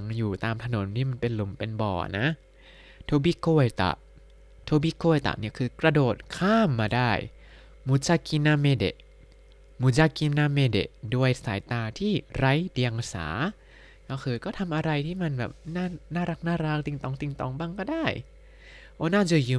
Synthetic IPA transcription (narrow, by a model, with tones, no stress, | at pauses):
ŋjuː˨˩t̪aː˧mt̪ʰa˧no˨˩˦nt̪ʰiː˥˩ma˧npe˧nlu˨˩˦mpe˧nbɔ̰ː˨˩na˦˥ | t̪ʰoː˧bi˦˧˥koː˧˩jt̪a̰˨˩ʔ | t̪ʰoː˧bi˧˥koː˧˩˨jt̪a̰˨˩ʔni˦˥˩ɐkʰɯː˧kɾa˧doː˨˩t̪̚kʰaː˥˩mːaː˧daː˥˩j | mu˨˦t͡ɕa˧ki˧naː˧me˧dḛ˨˩ | mu˨˦t͡ɕa˧ki˧naː˧meː˧dḛ˨˩ʔdu˧əjsaː˩˦jt̪aː˧t̪ʰiː˥˩ɾa˦˥jdi˧əŋsa̰ː˩˦ | kɔ˧˩kʰɯː˧kɔː˥˩t̪ʰa˧mʔa˧ɾa˧jt̪ʰiː˥˩ma˧nbɛ̰ː˨˩p̚naː˥˩naː˥˩ɾa˦˥k̚naː˥˩ɾa˦˥k̚t̪i˧ŋt̪ɔː˧˩ŋt̪i˧ŋt̪ɔ˧˩ŋbaː˥˩ŋkɔː˥˩daː˥˩j | ʔoː˧˦naː˥˩t͡ɕu˧˩jɯː˧